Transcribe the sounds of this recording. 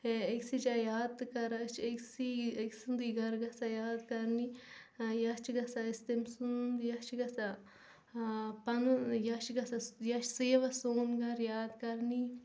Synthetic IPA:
eksid͡ʒajaːd̪kɐɾɐt͡ʃʰeksieksund̪iɡɐɾɡɐsajaːd̪kɐɾnijɐst͡ʃʰiɡɐsaist̪emsund̪jɐt͡ʃʰɡɐsɐ | pɐnjɐʃɡɐsɐjɐʃʰseːʋɐsoːnɡɐɾjaːd̪kɐɾni

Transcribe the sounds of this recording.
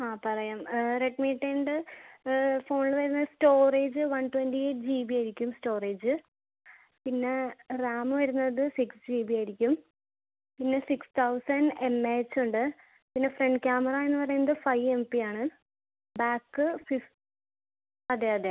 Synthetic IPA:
aːpɐrɐjaːmreʈmiːʈːeɳɖɨ | fo̞ːɳɭɨʋɐɾunːɐðɨsto̞ːreːd͡ʑɨʋɐɳʈwenʈieːʈd͡ʑiːbiajiɾikʲːumsʈo̞ːreːd͡ʑɨ | pinːeraːmɨʋɐɾunːɐðɨsiksd͡ʑiːbijaːjɾikʲːum | pinːe̞sikst̪ʰɐwsɐnɖe̞mːeːt͡ɕːuɳɖɨ | pinːe̞freɳɖkʲaːmɐrae̞nːɨpɐrɐjunːɐðɨfɐjʋe̞mpiaːɳɨ | baːkːɨfift | ɐðeɐðe

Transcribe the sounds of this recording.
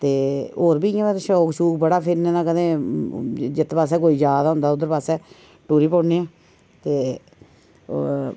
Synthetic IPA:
t̪eːoːɾbiːãːɛt̪ʃɔːkʃuːkbəɽaːpʰɪɾnẽːnãːkəd̪ẽː | d͡ʒɪt̪paːsɛːk̬oːiːd͡ʒjaːd̪aːɦʊ̃nd̪aːʊd̪əɾpaːsɛː | ʈuːɾiːpoːneːãː | t̪eː

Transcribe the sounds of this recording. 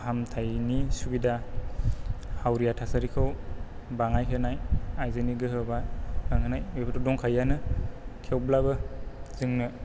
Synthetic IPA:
hamtʰajnisubida | hawɾijatʰasaɾikʰɯwbaŋajkʰenajajzɯniɡɯɦɯbaaŋhɯnajwebtɔdɔŋkʰajːanɯkʰewblabɯzɯŋnɯ

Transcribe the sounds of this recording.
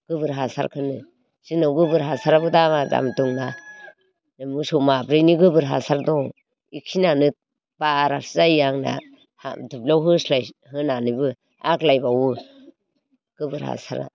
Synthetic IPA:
ɡ̥ɯbɯɾɦasa̰ɾkʰɯnɯ | z̥inawɡɯbɯɾɦasaɾabɯdamada̰mduŋna | nɯmusumabɾɯjniɡɯbɯɾɦasaɾdɔ | ikʰinanɯ | b̥aɾazajaŋna̰ | ha̰dublawɦɯslajhɯnanɯbɯ | aklajbawɯ | ɡ̥ɯbɯɾha̰sa̰ɾa̰

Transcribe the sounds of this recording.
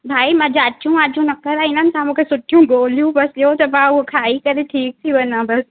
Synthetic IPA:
bʱaːimãd͡ʑaːt͡ʃt͡ɕʰũaːd͡ʑũnɐkəɾaɪnənɪ̆sãmũːkʰesʊʈʰijũɡoːlijũbɐsjot̪ɐbãʊɦokʰaːikɐɾeʈʰiːk̚t̪ʰiʋɐnãbɐs

